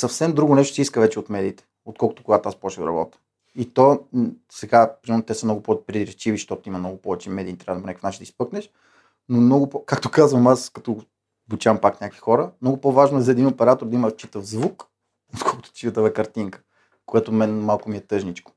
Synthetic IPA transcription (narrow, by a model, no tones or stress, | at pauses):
sɐfsɛmd̪ɾuɡʊnɛʃt̪ʊ̥siiskəvɛt͡ʃɛot̪mɛd̪iːt̪ɛ̥ | ot̪̚kʰɔlˠkʊ̥t̪o̥koɡat̪oaspɔʃilɾɐ̰bɔ̰t̪ə̥ | it̪ɔsɛɡapɾimɛɾnot̪ɛsəmnɔɡʊpɔpɾid̪ɾɛt͡ʃiviʃt̪ɔt̪imɐmnɔɡʊpɔvɛt͡ʃɛmɛd̪iːt̪ɾʲavɐd̪ponɛkə̥fnaʃid̪əispɤknɛʃ | nomnɔɡʊpɔkakt̪okazvɐmaskɐt̪ɔ | but͡ʃampaknʲakvi̥xɔɾəmnɔɡʊpɔvaʒnoɛzɐɛd̪imopɛɾat̪oɾd̪ɐimət͡ʃit̪əvzvuk | ot̪kʰɔlˠkʊ̥t̪ʊ̥t̪ʲiud̪vɛkɐɾt̪iŋkə̥ | koɛt̪ʊmɛnmalˠkʊmiɛt̪ɤʒnit͡ʃkʊ̥